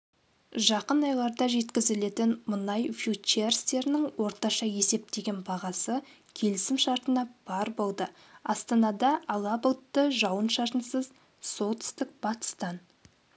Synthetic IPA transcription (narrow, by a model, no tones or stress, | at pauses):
ʒɑqənɑjlˠɑɾd̪ɑʒe̞t̪kʲɪzɪle̞t̪ɪnmʊnɑjfjut͡ʃerst̪e̞ɾɪnɪŋwo̞ɾt̪ɑʃɑje̞se̞p̚t̪e̞ɡʲe̞nbɑʁɑsə | kʲʰe̞lɪsɪmʃɑɾt̪ənɑb̥ɑɾbo̞lˠd̪ə | ɑst̪ɑnɑd̪ɑɑlˠɑbəlˠt̪ːəʒɑwənʃɑɾt̪ənsəz | so̞lˠt̪ʰʏ̥st̪ɪk̚b̥ɑt̪ə̥st̪ɑn